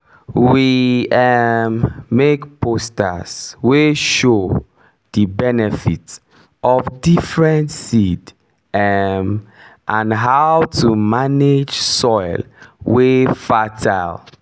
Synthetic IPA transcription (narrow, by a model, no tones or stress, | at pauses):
wiɛmːekpʰosta̰sweʃo | dibɛnɛfḭts | ɔfdifɹɛ̃ntsid | ɛm | ʔãnɦawtʰumaned͡ʒsɔɪlwefatʰaɪl